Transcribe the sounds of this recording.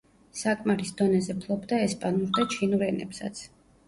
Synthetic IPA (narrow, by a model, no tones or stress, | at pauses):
sakʼmaɾisd̪ɔnɛzɛpʰlˠɔbd̪aɛspʼanuɾd̪at͡ʃʰinuɾɛnɛ̰psa̰t̪sʰ